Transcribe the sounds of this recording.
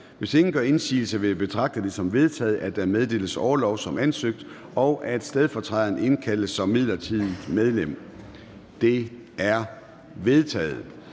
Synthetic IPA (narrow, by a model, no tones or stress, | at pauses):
ʋe̝se̝ŋn̩ɡ̥ɶɐe̝nsḭːl̩səʋe̝b̥e̝t͡sʰʁɑ̈ɡ̥̚d̥əd̥e̝sɒ̽mʋe̝ð̞ˠt͡sʰɛ̰ːð̞̩ˠæd̥æmeð̞ˠd̥e̝̰ːləsɒːlɒʊsɒ̽mænsøɡ̥̚d̥ | ɒ̽ʊʔæd̥sd̥eð̞ˠfɒ̽t͡sʰʁɑðɐne̝nkʰæl̰əsɒ̽mːið̞̰ˠlɐt͡sʰiðˠmeð̞ˠlem̰ | d̥e̝æɐ | ʋe̝ð̞ˠt͡sʰɛ̰ːð̞̩ˠ